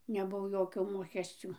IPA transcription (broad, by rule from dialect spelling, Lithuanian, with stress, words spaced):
nʲɛˈbʊʋoː ˈjoːkʲoː ˈmoːkʲɛsʲt͡sʲʊ